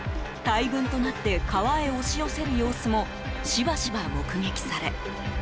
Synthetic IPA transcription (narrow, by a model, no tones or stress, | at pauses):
t̪aibɯ̟̃nt̪o̞nat̪ːe̞kʰaβae̞oɕijo̞se̞ɾɯ̟jo̞ːsɨmo̞ | ɕibaɕibamokɯ̟ŋe̞kʲi̥saɾe̞